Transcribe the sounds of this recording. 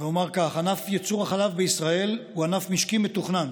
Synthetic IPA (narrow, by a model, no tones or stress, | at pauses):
veomaʁkaχanafjet͡suʁaχalavbeisʁae̞luanafmiʃkimet̪uχnan